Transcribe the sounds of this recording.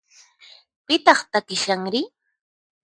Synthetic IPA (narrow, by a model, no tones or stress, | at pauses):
pɪt̪ɑχt̪akɪʃaŋɾɪ